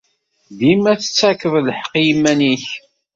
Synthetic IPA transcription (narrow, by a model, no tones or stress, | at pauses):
d̪imæθə̥t͡sːækːəðləħə̥qːjimːæniç